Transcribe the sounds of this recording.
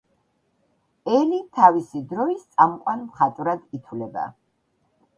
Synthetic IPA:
ɛlit̪ʰavisid̪ɾɔist̪sʼamqʼwanmχat̪ʼvɾad̪it̪ʰvlɛba̰

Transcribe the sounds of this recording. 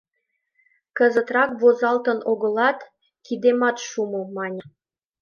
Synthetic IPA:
kəzət̪rɑkβozɑlt̪ə̆noɣə̆lɑt̪ | kid̪emɑt̪ʃumumɑnʲə

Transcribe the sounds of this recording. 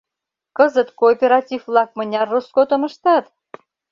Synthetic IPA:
kəzət̪koːpʲeɾɑt̪ʲivvlɑk̚mə̆nʲɑrːoskot̪ŏmə̆ʃt̪ɑt̪

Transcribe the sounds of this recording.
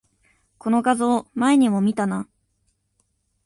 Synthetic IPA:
ko̞no̞ɡazo̞ːmaeɲ̟imo̞mʲit̪ana

